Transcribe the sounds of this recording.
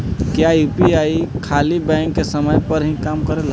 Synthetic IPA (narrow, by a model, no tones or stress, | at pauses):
kjaupiaikʰalibɛ̃ŋkːesəməjpəɾɦĩkamkəɾelɦ